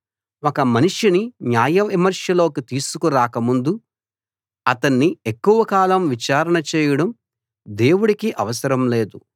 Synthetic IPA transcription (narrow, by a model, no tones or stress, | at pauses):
ɔkɐmɐniʂiniɲjaːjɐimɐɾʂjɐlo̞ːkit̪iːsukuɾaːkɐmund̪u | ɐt̪ɐnːiekːuʋɐkaːlɐmʋit͡ʃaːɾɐɳɐt͡ʃɛːjɐɽɐm | d̪e̞ːwuɽikiʔɐʋɐsɐɾɐmle̞ːd̪u